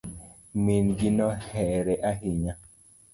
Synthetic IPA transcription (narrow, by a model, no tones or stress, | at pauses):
minɡinɔhɛɾɛʔaɦiɲa